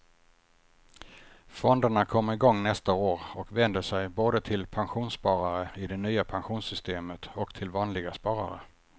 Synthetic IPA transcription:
fɔnd̪əɳakʰɔmːəɾɪɡɔŋːnɛst̪aoːɾɔkvɛnd̪əʂɛjboːd̪ət̪ʰɪlpʰanɧuːnspɑːɾaɾəɪd̪ɛnyːapʰanɧuːnsʏst̪eːmət̪ɔkt̪ʰɪlvɑːnlɪɡaspɑːɾa̰ɾə̰

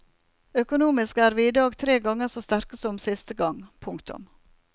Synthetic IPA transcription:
œkʊnuːmɪskæːɾʋiːɪd̪ɑːɡt̪ʰɾeːɡɑŋːəsoːst̪æɾkəsɔmsɪst̪əɡɑŋpʰʊŋkt̪ʊ̰m

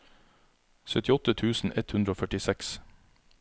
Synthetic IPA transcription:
sœt̪ɪɔt̪ət̪ʰʉːsn̩ʔɛt̪hʉnd̪ɾəoːfœʈɪsɛks

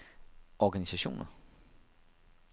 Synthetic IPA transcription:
ʔɒɡ̥ænisæɕo̝̰ːnɐ

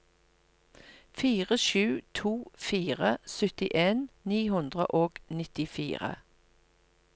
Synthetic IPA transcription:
fiːʁəʃʉːt̪ʰuːfiːʁəsʏt̪ɪʔeːnniːhʉnd̪ʁə̰ʔoːɡ̥nɪt̪ɪfḭːʁə̰

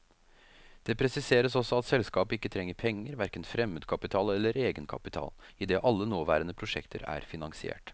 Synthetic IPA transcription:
d̪̥ɛpʰɾɛsɪseːɾəsɔsːɔɑt̪sɛlskɑːpɪkːət̪ʰɾɛŋːəɾpʰɛŋːəɾʋæɾkənfɾɛmːəd̪kʰɑpɪt̪ʰɑːlɛlːəɾeːɡənkʰɑ̰pɪt̪ʰɑ̰ːl | ɪd̪eːʔɑlːənoːʋæ̰ːɾənəpʰɾʊʂɛ̰kt̪ʰəɾæ̰ɾfɪnɑŋsɪḛːʈ

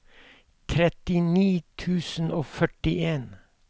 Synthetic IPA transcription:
t̪ʰɾɛt̪ɪniːt̪ʰʉːsn̩oːfœʈɪʔeːn

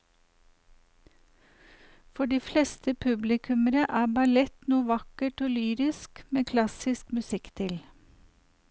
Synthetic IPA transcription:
fɔɖiːflɛst̪ʰəpʰʉblɪkʰʉməɾəʔæːbɑlɛt̪nuːʋɑkəʈoːlyːɾɪskmeːkʰlɑsɪskmʉsɪkt̪ʰɪl

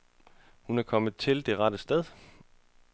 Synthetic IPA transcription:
hunæɐkʰɒ̽məð̩ˠt͡sʰe̝ld̥e̝ʁɑ̈d̥əsd̥eð̞ˠ

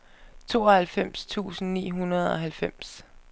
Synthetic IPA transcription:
t͡sʰo̝̰ːɒ̽hælfem̰st͡sʰṵːsn̩nḭːɦunɐð̞ˠɒ̽ɦælfem̰s

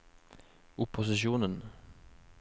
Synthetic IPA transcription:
ʊpʰːʊsɪʃuːnən

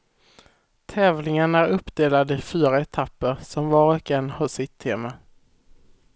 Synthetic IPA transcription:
t̪ʰɛːvlɪŋənæɾɵpːd̪eːlad̪əɪfyːɾaɛt̪ʰapːəɾsɔmvɑːɾɔkɛnːhɑsɪt̪ʰːeːma

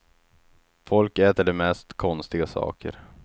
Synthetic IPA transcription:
fɔlkɛːt̪əɖɛmɛst̪kʰɔnst̪ɪɡasɑ̰ːkʰə̰ɾ

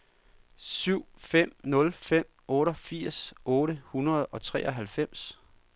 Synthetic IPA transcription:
syʊ̰fem̰nɔ̽lfem̰ | ɔ̽ːɾɒfiɐ̰sɔːɾəhunɐð̞̩ˠɒ̽t͡sʰʁɛ̰ːʔɒ̽ɦælfem̰s

